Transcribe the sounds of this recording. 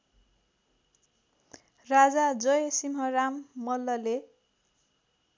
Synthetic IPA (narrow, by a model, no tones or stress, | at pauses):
rad͡zad͡zʌjsimɦʌramːʌlːʌle